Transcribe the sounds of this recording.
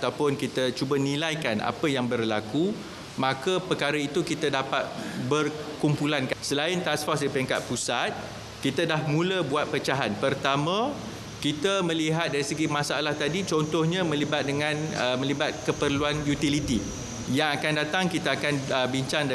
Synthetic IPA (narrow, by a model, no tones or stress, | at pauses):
t̪awpʊnkit̪ət͡ʃubənĩlajkanʔa̰pəjaŋbərlaku | mãkəpərkaɾəit̪ukit̪ədapat̪̚bərkumpulanksəlaɪnt̪asfɔsdipəɾɛŋka̰t̪̚pusat̪̚ | kit̪adahmũləbuat̪̚pət͡ʃaɦanpərt̪amã | kit̪əmə̃liɦat̪̚daɾisəɡimãsaalaht̪adit͡ʃɔnt̪ɔhɲãmə̃libat̪̚dəŋãnəmə̃libat̪̚kəpərluanjut̪ilit̪i | jaŋakandat̪aŋkit̪aakanəbiɲt͡ʃaŋd